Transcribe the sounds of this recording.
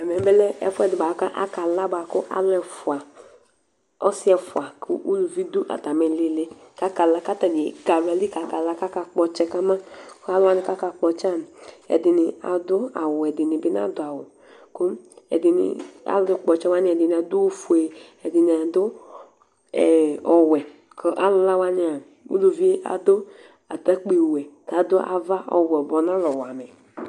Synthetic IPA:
a˨mɛ˨bɛ˦lɛ˦ɛ̰˨fʊ˦ɛ˨dɪ˨ba˨˦ka˦ʔa̰˦ka˨la˦ba˨˦kʊ˦ʔa̰˦lʊ˦ɛ˨fʊ˨a˨ | ɔ˦sɪ˦ɛ˨fʊ˨a˨kʰʊ̰˦ʔu˦lu˨vi˦d̪ʊ˦ʔa̰˨t̪a˨mɛ˨lɪ˦lɪ˦ | ka˦ka˨la˨˧ka˦ta˨ni˨ɡa˨ɾɛ˨li˦ka˨ka˨la˦ka˦ka˧k͡pɔ˧t͡ʃɛ˧ka˦ma˦ka˨˦lʊ˦a˦nɪ˨ka˦ka˧k͡pɔ˨˧t͡ʃa˦˨n˨ɛ̰˨dɪ˨nɪ˨a̰˨d̪ʊ˦a̰˨wʊ˨ɛ˨dɪ˨nɪ˨bɪ˦na̰˦dʊ˨a˨wʊ˨ | ko˦mɛ̰˨dɪ˨nɪ̰˨a̰˨˦ldʊ˧k͡pɔ˨t͡ʃɛ˦wa˦nɪ˦ɛ˨dɪ˨ni˨a˨d̪ʊ˦wu˦fu˨e˨ | ɛ˨dɪ˨nɪ˨a˨d̪ʊ˦˨ | ɔ˨wɛ˨ | kʰɔ˦ʔa˦lʊ˧la˦wa˦nɪ˧a˨ | ṵ˦lo˨vi˦e˦ʔa̰˨d̪ʊ˦ | a̰˨ta˦k͡pi˦˨wɛ˨ka˨˦d̪ʊ˦ʔa̰˨va˦ʔɔ̰˨wɛ˨ɔ˨bɔ˨nã˦lɔ˨wa˨mɛ˨

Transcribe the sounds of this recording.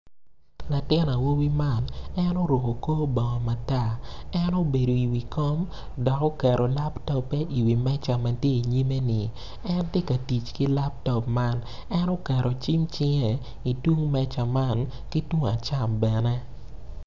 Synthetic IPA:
la˨tɪ˦na˨wo˦wi˦ma˦˨nɛ˦no˦ɾo˨ko˨koː˦bɔ˨ŋɔ˨ma˨ta˦˨ɛ˦no˦be˨do˨i˨wi˨kɔ˦m | dɔ˨kɔ˦kɛ˨ɾo˨la˦ptɔ˦pːɛ˦ʔi˨wi˨mɛ˦t͡ʃa˨ma˨tje˦i˨ɲi˦me˦nɪ˨ | ɛ˦ntje˦ka˨ti˨t͡ʃki˦la˦p̚tɔ˨pma˦nɛ˦no˦kɛ˨ɾo˨t͡ʃi˦mt͡ʃɪ˦ŋe˨ | i˨twu˦ŋmɛ˦t͡ʃa˨ma˦˨n | ki˦twu˦ŋa˨t͡ʃa˦˨mbɛ˨nɛ˦

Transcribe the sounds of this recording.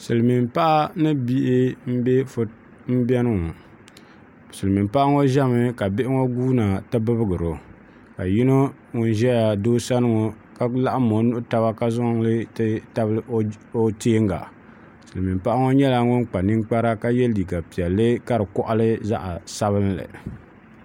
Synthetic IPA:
sɨ˨lmi˨mpa˦ʔa˦nɨ˦bi˦ʔɪ˦m̩˦bɛ˦f | m̩˦bɛ˦nɨ˦ŋɔ˨ | sɨ˨lɨ˨mi˨mpa˦ʔa˦ŋo˦ʒɛ˦mɨ˦ka˨bɪ˦ʔɪ˦ŋo˦ɡuː˦na˨tɨ˦bɨ˦bɨ˦ɡɨ˨ɾo˨ | ka˨ji˦no˦ | ŋʊ˦nʒɛ˦ja˨doː˦sa˦nɨ˦ŋo˨ | ka˦la˦ʔa˦mo˨˦nʊ˦ʔʊ˦ta˦βa˦ka˦zʊ˦ŋ˦lɨ˦tta˦bo˦teː˦ŋɡa̰˨ | sɨ˨lɨ˨mi˨mpa˦ʔa˦ŋo˦ɲɛ˦la˨ŋʊ˦nk͡pa˨nɨ˦ŋk͡pa˦ɾa˦ka˦jɛ˦li˨ɡa˨pi˨ɛ˨lːɨ˦ka˦ɾɨ˨kɔ˦ʔa˦lɨ˦za̰˦ʔa˨sa˦βɨ˦n˦lɨ̰˨

